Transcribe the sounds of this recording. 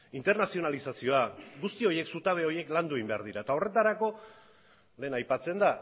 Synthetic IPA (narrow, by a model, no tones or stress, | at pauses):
int̪e̞ɾnasio̞nalisasio̞aɡust̪io̞je̞ksut̪aβ̞e̞o̞je̞kland̪ueimbe̞aɾð̞iɾaet̪ao̞re̞t̪aɾako̞ | le̞ːnajpat͡se̞nd̪a